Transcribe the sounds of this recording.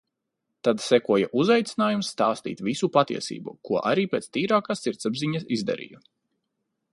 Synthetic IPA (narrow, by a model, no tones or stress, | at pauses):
t̪ad̪sɛkuɔjaʔuzajt̪sʲinaːjumsːt̪aːst̪ḭːt̪visupat̪ḭɛsḭːbṵkuɔʔaɾiːpeːt̪st̪iːɾaːkaːsːiɾt̪sabziɲɐsizd̪a̰ɾḭju